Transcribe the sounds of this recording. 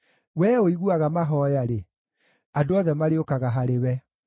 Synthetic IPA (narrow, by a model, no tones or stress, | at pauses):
wɛːoiɣuaɣamaɦɔːjaɾe | adoɔðɛmaɾeokaɣaɦaɾewɛ